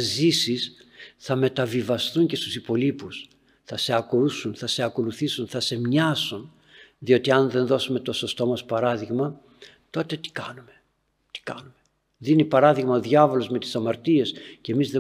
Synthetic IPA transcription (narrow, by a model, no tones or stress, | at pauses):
zisisθɐme̞t̪ɐvivɐst̪uɲce̞st̪usipo̞lipus | θɐse̞ɐkousunθɐse̞ɐko̞luθisunθɐse̞mɲɐsun | ðio̞t̪iɐnðe̞nðo̞sume̞t̪o̞so̞st̪o̞mɐspɐɾɐðiɣmɐ | t̪o̞t̪e̞t̪i̥kɐnume̞ | t̪i̥kɐ̰nume | ðinipɐɾɐðiɣmɐoðʝɐvo̞lo̞zme̞t̪i̥sɐmɐɾt̪ie̞sce̞mizðe